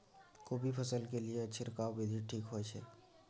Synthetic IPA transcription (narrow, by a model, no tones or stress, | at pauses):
koːbʱipʰəsəlkelieɐtːʃʰeɾɐkaːwbɪd̪ʱiʈʰiːkɦoɛt͡ʃʰɛ̰